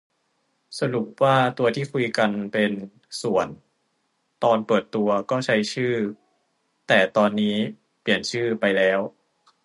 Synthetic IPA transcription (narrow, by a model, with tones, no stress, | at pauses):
sa˧lu˨˩p̚waː˥˩t̪u˧ɐt̪ʰiː˥˩kʰu˧jka˧npe˧n | su˨˩ən | t̪ɔː˧npɤː˨˩t̪ːu˧ɐkɔː˥˩t͡ɕʰa˦˥jt͡ɕʰɯː˥˩ | t̪ɛː˨˩t̪ɔː˧nːiː˦˥ | pli˨˩ənt͡ɕʰɯː˥˩pa˧jlɛː˦˥w